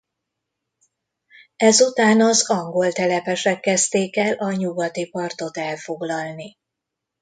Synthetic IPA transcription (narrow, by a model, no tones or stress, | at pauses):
ɛzut̪aːnɒzɒŋɡo̞lt̪ɛlɛpɛʃɛkːɛst̪eːkɛlʔɒɲuɡɒt̪ipɒrt̪o̞t̪ɛlfo̞ɡlɒlni